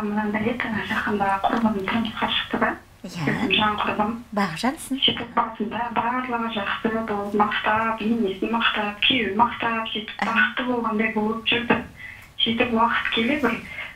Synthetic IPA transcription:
mənɑbɪɾed̪ʒɑqənd̪ɑqʰʊɾlˠəmət̪ʰʊɾməsqɑʃə̥qt̪əd̪ɑ | jzɪmʒɑɴqʰʊɾb̪əmɑsit̪ɪk̚bɑsənd̪ɑbɑɾlˠəʁəʒɑqsəbolˠəpmɑqt̪ɑpjemesɪnmɑqt̪ɑp̚kʲʰejwɪmɑqt̪ɑpsijt̪ɪ̥pbɑqə̥t̪ːəbo̞lˠʁɑnd̪ɑjbo̞lˠəpʒ̥ʏɾd̪ɪ | sijt̪ɪpwɑqə̥t̪kʲʰe̞lebɪɾ

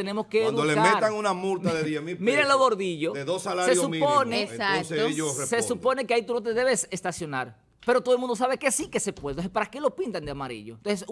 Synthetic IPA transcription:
enemo̞skeːðud̪olemameɾt̪aŋunamult̪aðeðjemimiɾenloɣo̞ɾðiʝoeðosalaɾeosumiponeaoseeʎoresesupo̞nekeait̪unot̪eðe̞βesest̪asjo̞naɾ | peɾo̞t̪oðomũnd̪osaβeke̞sikesepwelt̪osepaɾakelo̞pint̪and̪eamaɾḭʎoent̪onses

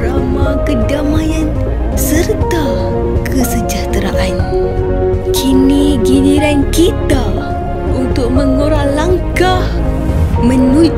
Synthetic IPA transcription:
ɾamakədamajan | sərt̪a | kʰəsəd͡ʒaht̪ɾaʔan | kʰiniɡidiɾankit̪a | unt̪ʊʔ̚məŋoɾalaŋkah | mənu

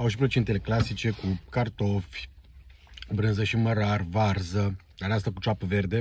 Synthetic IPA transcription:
awʃipɾout͡ʃe̞nt̪ele̞klasit͡ʃe̞kukart̪o̞fʲ | bɾɨnzəʃiməɾarvarzə | aneast̪akut͡ʃapəve̞rd̪e̞

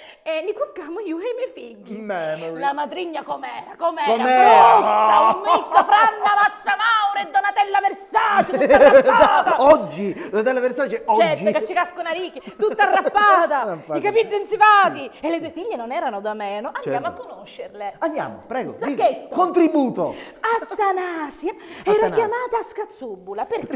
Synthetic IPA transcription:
ɛnːikokːamoiːoɛjmjɛjfiɟːimɛlamad̪ɾiɲːakomɛːɾakomɛomɛut̪ːaumːisːafɾanːapat̪sːamawɾeed̪ːonat̪ɛlːamersat͡ʃ̪ːaaɔd͡ʒːid̪at̪ɛlːamersat͡ʃɛɔt͡ʃɛd͡ʒd͡ʒːeket͡ʃːikaskonaɾikːit̪ut̪ːarːapːaːt̪aikapiɖːent̪sivaːt̪ielːed̪uːefiʎːenonɛːɾanod̪amɛːnoʔandjamoakːonoʃːerleand̪ja̰ːmopɾɛːɡosakːet̪ːokont̪ɾibuːt̪o | at̪ːanaːsjaɛːɾajamaːt̪askat̪subːulape

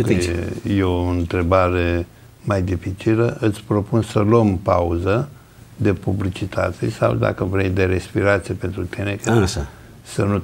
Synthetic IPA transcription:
jeoɨnt̪ɾe̞baɾe̞ | majd̪ifit͡ʃiləʔɨt̪sʲpɾo̞punsələmpauzə | d̪e̞publit͡ʃit̪ʰat̪sisa̰wd̪a̰kəvɾejd̪e̞ɾe̞spiɾat̪sijepe̞nt̪ɾut̪inekaʃa | sənu

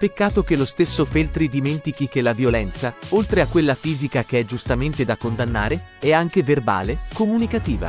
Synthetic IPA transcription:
pekːaːt̪ok̟elost̪esːofelt̪ɾid̪iment̪ikik̟elavjolɛnt̪saolt̪ɾeakːwelːafiːzikak̟eɛd͡ʒust̪ament̪ed̪akːond̪anːa̰ːɾeɛaŋkeverba̰ːlekomunikat̪iːva̰

